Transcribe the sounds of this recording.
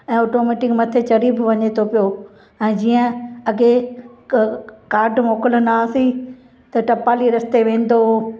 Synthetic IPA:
ɛ̃ːoːʈoːmeːʈɪkmɐt̪ʰet͡ɕɐɾiːbʋɐɲet̪ʰopijo | ɛ̃ːd͡ʑiːə̃ɐɡe | kaːɾɖmoːkələnaːsi | t̪ɐʈɐpaːliɾɐst̪eʋẽːn̆d̪o

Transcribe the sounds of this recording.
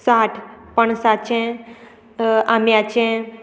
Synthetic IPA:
saʈʰpəɳsat͡ɕɛ̃ | amjat͡ɕɛ̃

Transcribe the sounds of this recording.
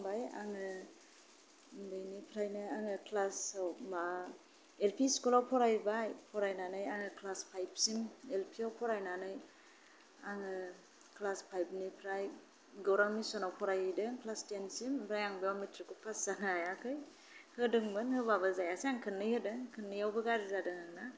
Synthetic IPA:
ŋbaja̰ŋɯ | bɯjnipʰɾajnɯaŋɯkʰlasawma | elpʰiskɔlawpʰɔɾajbajpʰɔɾajnanɯjaŋɯkʰlaspʰajp̚simelpʰiawpʰɔɾajnanɯj | aŋɯ | kʰlaspʰajp̚nipʰɾaj | ɡawɾaŋmisɔnawpʰɔɾajɯdɯŋkʰlastensimbʰɾajaŋbejamitʰɾikupʰasanaajakʰɯj | hɯdɯŋbɯnhɯbabɯzajasiaŋkʰɯnːɯhɯdɯŋkʰɯnːɯjawbɯɡaɾizadɯŋaŋna

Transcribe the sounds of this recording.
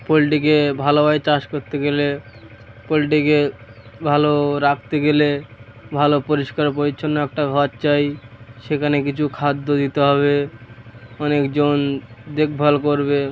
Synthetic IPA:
poliʈikebʱalobajt͡ɕaʃkoɾt̪eɡele | poliʈ̬ikebʱaloɾak̚ʰt̪eɡelebʱalopoɾiʃkaɾpoit͡ɕʰonːoɛk̚ʈaɡʱɔtt͡ɕajʃekʰanek̬it͡ɕʰukʰad̪ːod̪it̪eɦɔβe | ɔnekd͡ʑond̪ek̚ʰbʱalkoɾbe

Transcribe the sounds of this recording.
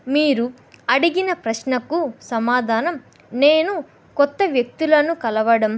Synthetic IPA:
miːɾu | ɐɽiɡinɐpɾɐʃnɐkusɐmaːd̪ʱaːnɐm | neːnu | kɔt̪ːɐʋjɐk̚t̪ulɐnukɐlɐʋɐɽɐm

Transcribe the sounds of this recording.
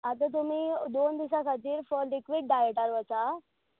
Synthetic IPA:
at̪̬ət̪̬um̤iːd̪ond̪isakʰat̪iːɾfɔɾlikʋiɖɖajeʈaɾʋət͡sa

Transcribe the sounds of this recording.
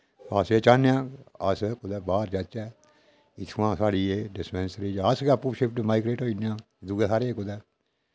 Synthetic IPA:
paːseːt͡ʃaːnejãːəskʊd̪ɛːbaːɾd͡ʒat͡ʃɛː | ɪt̪ʰːʋãːsaːɽiːeːɖɪspɛ̃ːnsɾiːd͡ʒaəsɡɛpːuːʃɪpʰʈmaːiɡɾeːʈoːinjãː | d̪uɡeːsaːɾeːkʊd̪ɛː

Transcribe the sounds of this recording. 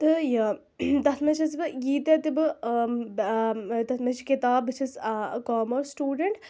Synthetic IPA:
t̪ɨja | t̪ɐt̪ʰmɐt͡ʃʰɐsbɨjiːt̪et̪ibɨ | t̪ɐt̪ʰmɐt͡ʃʰi̥kit̪aːbɨt͡ʃʰiskɔːmɔːɾsʈuːɖəɳʈ

